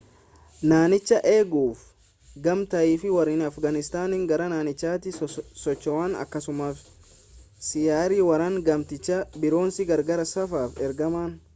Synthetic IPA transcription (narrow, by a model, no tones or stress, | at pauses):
naːnɪt͡ʃːɐʔe̞ːɡuːf | ɡɐmt̪ɐʔiːfɪwɐɾiːnɐfɡɐnɪst̪aːnɪŋɡɐɾɐnaːnɪt͡ʃːaːt̪ɪsɔt͡ʃːɔwaːnɐ̰kːɐsʊmaːf | sɪjaːɾiwɐɾaːŋɡɐmt̪ɪt͡ʃːɐbɪɾo̞ːnsɪɡɐɾɡɐɾɐsɐfaːfɛɾɡɐmaːn